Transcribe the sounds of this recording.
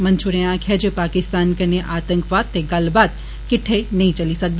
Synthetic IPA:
mɐ̃nt͡ʃʰʊɾẽãːkʰjad͡ʒoːpaːkɪst̪aːnkɐneʔaːt̪ə̃ŋkʋaːd̪̚t̪ːeɡɐlbaːd̪ | kɪʈʰːenɐɦĩt͡ʃɐlisɐk̚d̪

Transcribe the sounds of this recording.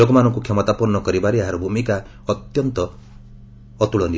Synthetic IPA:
oɡɔmanɔŋkukʰemɔt̪apɔɾnɔkɔɾibaɾeaɦaɾɔbʱumika | ɔt̪jɔnt̪ɔ | t̪uɭɔni

